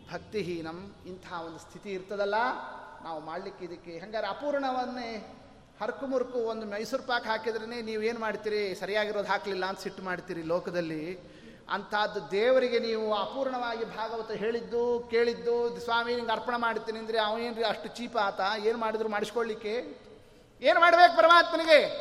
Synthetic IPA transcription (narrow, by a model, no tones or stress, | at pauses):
bʱɐk̚t̪iɦinɐmint̪ʰɐɦɐond̪ust̪ʰit̪iːɾt̪ɐd̪ɐlːɐnaːʋumaːɽlikːeid̪ɐkːeɦaŋɡaːd̪ɾiapuːɾɐɳɐʋɐnːe | hɐɾkumuɾkuond̪umɐjsuɾpaːkɦaːkid̪ɐɾɐneːniːʋue̞ːnumaːɽt̪iːɾisɐɾijaːɡiɾo̞ːd̪ɦaːklilːɐːnt̪ɐsiʈːmaːɽt̪iːɾiloːkɐd̪ɐlːi | ɐ̰nt̪ʰɐɐd̪ːud̪eːʋɐɾiɡe̞niːʋuaːpuːɾɐɳɐʋaːɡibʱaːɡɐʋɐnt̪ːɐɦe̞ːɭid̪ːuke̞ːɭid̪ːud̪sʋaːmiːniːŋɡɐɾpɐɳɐmaːɽit̪ːiːniɐnd̪ɐɾeɐʋɐneːnɾiɐʂʈut͡ʃiːpaːnt̪ɐeːnumaːɽid̪ɾumaːɽisi̥koɭlikːe̞ | e̞ːnmaːɽbeːkupɐɾɐmaːt̪mɐniɡe